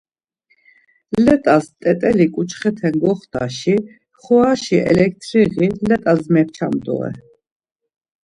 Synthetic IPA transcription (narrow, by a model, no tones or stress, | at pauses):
llɛt̪ʼast̪ʼɛt̪ʼɛlikʼut͡ʃʰχɛt̪ʰɛnɡɔχt̪ʰa̰ʃi | χɔaʃiʔɛ̰lɛk̚t̪ʰɾiʁilɛt̪ʼazmɛɾt͡ʃʰamd̪ṵɛ̰